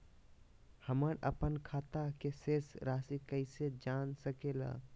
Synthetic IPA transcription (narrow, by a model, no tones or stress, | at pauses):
həməɾəpənkʰat̪akesesɾasikəɪsed͡ʒansəkela̰